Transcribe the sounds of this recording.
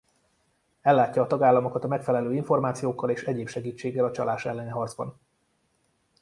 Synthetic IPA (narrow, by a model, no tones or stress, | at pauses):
ɛlːaːcːɒːt̪ɒɡaːlːɒmokɒt̪ɒmɛkfɛlɛløːiɱfo̞rmaːt̪sijoːkːɒleːʃɛɟeːpʃɛɡiːt͡ʃːeːɡːɛlɒt͡ʃɒlʔaːʃɛlːɛniɦɒrd̪zbɒ̰n